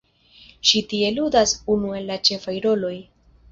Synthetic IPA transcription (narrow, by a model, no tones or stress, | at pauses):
ʃitie̞ludasunue̞lːat͡ʃe̞fajɾo̞lo̞j